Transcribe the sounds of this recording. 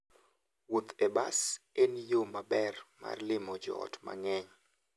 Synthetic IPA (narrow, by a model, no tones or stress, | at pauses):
wot̪ebasenjomabɛrma̰rlɪmɔd͡ʒɔ̰ɔ̰tma̰ŋɛɲ